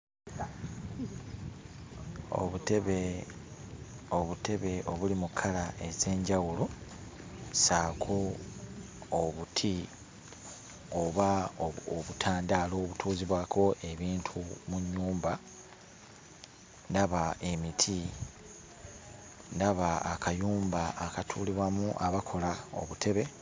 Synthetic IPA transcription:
o̰βutβe | oβute̞βe̞ʔo̞βulimukʰːalae̞ze̞ːɲɟawulo̞ | saːkʰo̞ | βutʰi | oβaoβutʰaːndaːlo̞ːβutʰuːziβwaːkʰo̞ʔe̞βiːntʰumuɲːuːmba | ndaβaʔe̞mitʰi | ndaβaakajuːmbaːkatʰuːliβwamuʔaβakʰo̞lao̞̰βutʰe̞βe̞

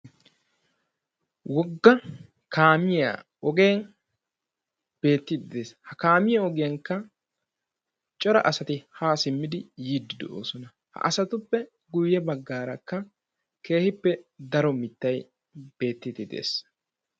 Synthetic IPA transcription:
wɔɡːɐ | kʰaːmɪja̰ | ɔɡeːn | b̥e̞ːt̪ːɪt̪ɪd̪eːshɐkaːmɪjɐɔɡɪjɐŋkːɐ | t͡ʃʼɔɾɐ̰ʔɐsɐt̪ɪhaːsɪmːɪd̪ɪjiːd̪ːɪd̪ɛ̰ʔoːsɔnɐ | hɐ̰ʔɐsɐt̪ʊpːɛ | ɡʊjːɛbɐɡːaːɾɐkːɐ | ke̞ːhɪpːɛd̪ɐɾɔmɪt̪ːɐj | b̥e̞ːt̪ːɪd̪ɪd̪ḛːs

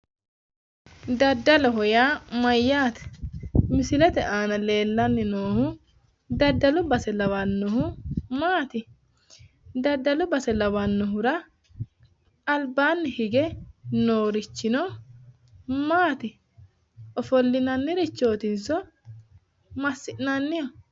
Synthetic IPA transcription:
d̪ɐd̪ːɐlɔɦɔjaːmɐjːaːt̪ɛ̥mɪsɪlɛt̪ɛʔaːnɐle̞ːlːɐnːɪnoːhʊ | d̪ɐd̪ːɐlʊbɐsɛlɐwɐnːɔɦʊmaːt̪ɪ | d̪ɐd̪ːɐlʊbɐsɛlɐwɐnːɔɦʊɾɐ | lbaːnːɪhɪɡɛnoːɾɪt͡ʃːɪnɔ | maːt̪ɪ | ɔfɔlːɪnɐnːɪɾɪt͡ʃːoːt̪ɪnsɔ | mɐsːɪʔnɐnːɪjɔ

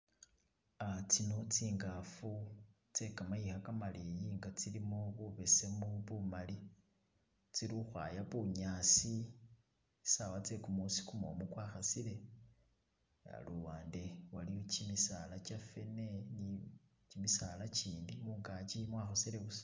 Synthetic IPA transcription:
at͡sino̞t͡siːŋɡafu | t͡se̞kamajixakamalijiŋɡat͡silimoβuβe̞se̞moβumali | t͡siɾixwa̰jaβuɲaːsi | sawat͡se̞kumusi̥kumo̰mukwaːxasile̞ | a̰luwaːnde̞walijot͡ʃimisalat͡ʃafe̞ne̞ni | t͡ʃimisalat͡ʃiːndimuːŋɡat͡ʃimwaːxosiɾeβusḁ

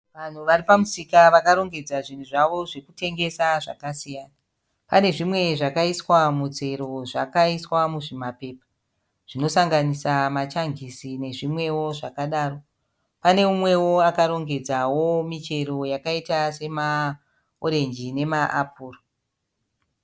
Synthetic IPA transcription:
ʋan̤uʋaripamusikaʋakaɾo̞ŋɡe̞d͡zaʐin̤uʐaʋo̞ʐe̞kute̞ŋɡe̞saʐakasijaːna | pane̞ʐimwe̞ʐakaiswamud͡ze̞ɾo̞ʐakaiswamuʐimape̞ːpḁ | ʐ̥ino̞saŋɡanisamat͡ʃaŋɡisine̞ʐimwe̞wo̞ʐakaɗaːro̞ | pane̞mumwe̞wo̞akaɾo̞ŋɡe̞d͡zawomit͡ʃe̞ɾo̞jakaitase̞ma | oɾe̞nd͡ʒine̞maʔapuːro

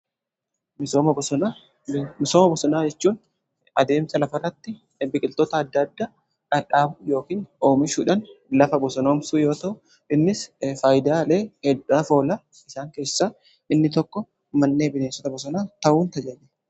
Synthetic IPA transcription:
mɪsoːmɐbɔɔna | mɪsomɐbɔsɔnaːd͡ʒɛt͡ʃːuːn | ɐd̪e̞ːmsɐlɐfɐrːɐt̪ːɪ | bɪkʼɪlt̪ɔt̪ɐːd̪ːɐd̪ːa | ᶑɐᶑʼaːbʊjo̞ːkiːno̞ːmɪʃuːᶑɐnlɐfɐbɔsɔnoːmsuːjo̞ːt̪ɐʔʊ | ɪnːɪsfaːjɪd̪aːleːhɛdaːfo̞ːlɐ | ɪsaːŋke̞ːsːaː | ɪnːɪt̪ɔkːɔ | mɐnːe̞ːbɪneːnsɔt̪ɐbɔs̬ɔnaːt̪ɐʔuːnt̪ɐd͡ʒɐnɛ̥

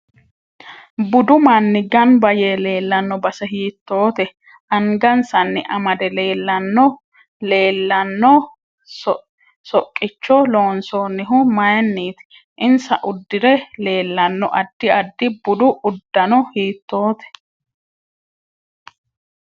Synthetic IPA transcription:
bʊd̪ʊmanːɪɡɐnbɐjeːle̞ːlːɐnːɔbɐsɛɦiːt̪ːo̞ːt̪ɛ | ʔɐŋɡɐnsɐnːɪʔɐmɐd̪ɛleːlːɐnːɔ | le̞ːlːɐnːɔ | sɔ | sɔkʼːɪt͡ʃːɔlo̞ːnsoːnːɪɦʊmɐjɛnːiːt̪ɪ̥ | ʔɪnsɐ̰ʔʊd̪ːɪɾɛle̞ːlːɐnːɔ̰ʔɐd̪ːɪɐd̪ːɪbʊd̪ʊʔʊd̪ːɐnɔhiːt̪ːo̞ːt̪ɛ̥

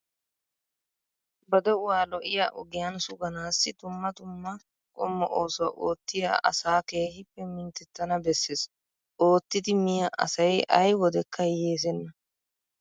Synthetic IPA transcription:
bɐd̪ɛʊwaːlɔʔɪjaʔʊɡɪjɐnsʊɡɐnaːsːɪt̪ʊmːɐt̪ʊmːɐ | kʼʊ̰mːɔʔoːsɔwɐʔoːt̪ːɪjɐ̰ʔɐ̰saːke̞ːhɪpːɛmɪnt̪ɛt̪ːɐnɐbɛsːeːs | ʔo̞ːt̪ːɪd̪ɪmɪjɐʔɐ̰sɐjɐjwɔd̪ɛkːɐjeːs̬ɛnːɐ

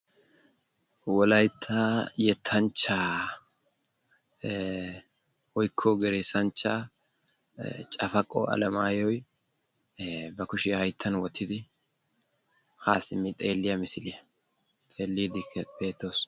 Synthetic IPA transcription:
wɔlɐjt̪ʰːaːjɛt̪ʰːɐnt͡ʃːaː | wɔjkʰːɔɡɛɾeːsɐnt͡ʃːa | t͡ʃʼɐfɐkʼːɔ̰ɐ̰lɐmaːjɔj | bɐkʊʃɪjhɐjt̪ʰːɐnwɔt̪ʰːɪd̪ɪ | haːsɪmːɪt̪ʼeːlːɪjɐmɪsɪlɪjɐ | t̪ʼeːlːiːd̪ɪb̥e̞ːt̪ːoːs

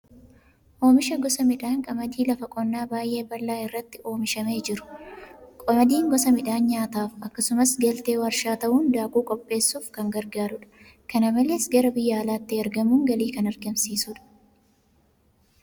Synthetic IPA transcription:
ʔo̞ːmɪʃɐɡɔsɐmɪᶑaːŋkʼɐmɐd̪iːlɐfɐkʼɔnːaːbaːjʔe̞ːbɐlːaːɪrːɐt̪ːɪʔo̞ːmɪʃɐmeːd͡ʒɪɾʊ̥kʼɔmɐd̪iːŋɡɔsɐmɪᶑaːnɲaːt̪aːfɐkːɐsʊmɐsɡɐlt̪eːwɐɾʃaːt̪ɐʔuːnd̪aːkʼuːkʼɔpʼːe̞ːsːuːfkɐŋɡɐɾɡaːɾʊᶑɐ̥ | kɐnɐmɐleːsɡɐɾɐbɪjːɐːlaːt̪ːɪɐɾɡɐmuːŋɡɐliːkɐnɐɾɡɐmsiːsuᶑɐ̥

